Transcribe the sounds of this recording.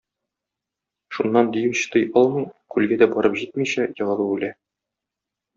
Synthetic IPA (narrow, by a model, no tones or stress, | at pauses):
ʃunːɑnd̪ijɘɕt̪ɤjʔɒlˠmɤkʉlɡæd̪æbɒɾɤpʑit̪miɕæjɒ̆ʁɑ̆lˠɤbʉlæ